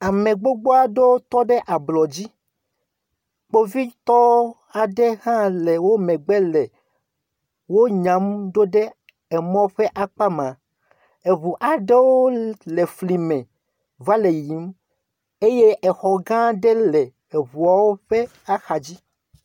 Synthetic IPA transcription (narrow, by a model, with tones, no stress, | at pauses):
a˨mẽ˨ɡ͡bo˦ɡ͡bo˦a˨ɖe˦wo˦t̪ɔ˦ɖɛ˦ʔa˨blɔ˨d͡ʑi˦ | k͡po˦vi˦t̪ɔ˦ | a˨ɖe˦ɦã˦le˨wo˦mɛ̃˨ɡ͡be˦lɛ˨ | wo˦ɲã˨˦mɖo˦ɖe˦ | ɛ˨mɔ̃˦ɸe˦ʔa˦k͡pa˦mã˨ | e˨βu˨ʔa˨ɖe˦wo˦le˨fli˨mɛ̃˨ | va˦le˨ji˨˦m | e˦je˦ʔɛ˨xɔ˨ɡã˦ɖe˦lɛ˨ | e˨βu˨a˨wo˦ɸe˦ | a˦xa˨d͡ʑi˦